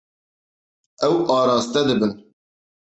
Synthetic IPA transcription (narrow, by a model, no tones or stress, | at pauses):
ɛwɑːɾɑːst̪ɛd̪ɨbɨn